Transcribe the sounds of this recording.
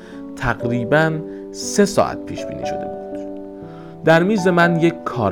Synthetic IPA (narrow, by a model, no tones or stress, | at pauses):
t̪ʰæɢɾiːbæn | se̞sɒ̰ːʔæ̰t̪̚pʰiːʃb̥ḭːnḭːʃo̞̰d̪e̞̰buːd̪̥ | d̪̥æɾmiːze̞mænje̞kʰkʰɒːɾ